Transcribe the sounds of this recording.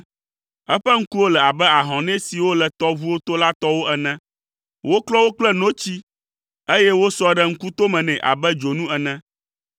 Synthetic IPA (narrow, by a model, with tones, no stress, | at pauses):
ɛ˦ɸɛ˦ŋ̩˦ku˦wo˦lɛ˨a˨bɛ˦a˨ɦɔ̃˨nɛ̃˦si˨wo˦lɛ˨t̪ɔ˦vu˦wo˦t̪o˦la˦t̪ɔ˦wo˦ʔɛ˨nɛ̃˦ | wo˦klɔ˦wo˦k͡plɛ˦nõ˦t͡ɕi˦ | e˦jɛ˦wo˦sɔ˦ɖɛ˦ŋ̩˦ku˦t̪o˦mɛ̃˨nɛ̃˨ʔa̰˨bɛ˦d͡ʒo˨nũ˦ɛ˨nɛ̃˦